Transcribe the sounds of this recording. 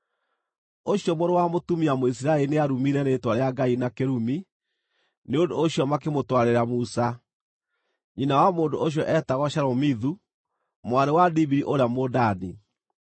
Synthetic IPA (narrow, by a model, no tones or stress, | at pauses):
oɕjɔmoɾowamotumiamois̬iɾaelineaɾumiɾɛnetwaɾeaɡainakeɾumi | neondoːɕjɔmakemotwaɾeɾamusa | ɲinawamoːndooɕ̬jɔʔɛtaɣɔʃaɾɔmiðu | mwaɾewadibiɾiʔoɾeamodani